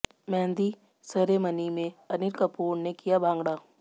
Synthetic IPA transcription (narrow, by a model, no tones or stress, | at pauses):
mɛ̃ːnd̪i | səɾemənimẽɐnɪɾkəpuːɾnekijabʱãːŋɡɽaː